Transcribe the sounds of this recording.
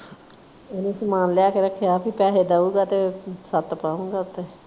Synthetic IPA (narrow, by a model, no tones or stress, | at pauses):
enẽːsəmaːnljaːkeɾəkʰːejaːpʰiːpɛːɦeːd̪aːuːɡaːt̪eːsət̪paːũːŋɡaːʊt̪eː